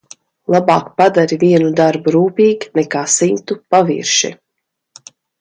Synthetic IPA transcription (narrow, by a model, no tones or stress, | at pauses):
lˠabaːkpad̪aɾiviɛnud̪aɾbuɾuːpiːɡnɛkaːsint̪upavḭːɾʃḭ